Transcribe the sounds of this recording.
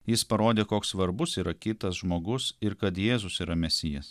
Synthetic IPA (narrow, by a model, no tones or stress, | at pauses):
jɪspɐɾoːd̪ʲeːkoːkssʋɐɾbʊsiːɾɐkʲɪt̪ɐsʒmoːɡʊsɪɾkɐt̪jeːzʊsiːɾɐmʲɛsʲɪjɛs